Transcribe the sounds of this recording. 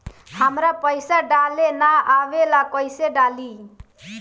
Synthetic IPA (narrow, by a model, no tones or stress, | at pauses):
hamɾapəjsaɖalenaaʋelakɔjseɖali